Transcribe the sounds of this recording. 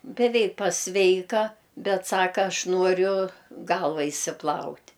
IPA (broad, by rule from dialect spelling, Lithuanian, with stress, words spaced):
bʲɛˈʋʲɛɪk pɐˈsʲʋʲɛɪkɐ ˈbʲɛt ˈsɑːkɐ ˈɐʃ ˈnuɔrʲʊ ˈɡɐlˠʋɐ ɪʃʲsʲɪˈplˠɐʊtʲ